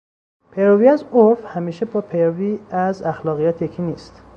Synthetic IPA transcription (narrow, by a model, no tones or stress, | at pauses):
pʰeɾoviːæzofhæmiːʃebɒːpʰeɾoviːæzæxlɒːɣijæːt̪ʰjecʰiːniːst̪